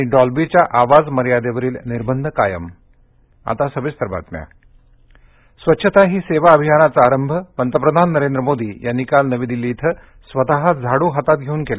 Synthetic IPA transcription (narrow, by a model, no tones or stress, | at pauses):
aɽ̃iɖɔlbit͡ɕjaʔaʋad͡zməɾjad̪eʋəɾiːlniɾbənd̪ʱkajə̰m | a̰t̪asəʋist̪əɾba̰t̪mja̰ | sʋətːɕʰət̪aɦiːseʋaəbʱijanat͡saːɾəmbʱəmənt̪əpɾəd̪ʱanːəɾend̪ɾəmod̪iːjanːikalnəʋiːd̪ilːit̪ʰə | sʋət̪aɦad͡zʱaɽuːɦat̪at̪̚ɡʱeuːnkela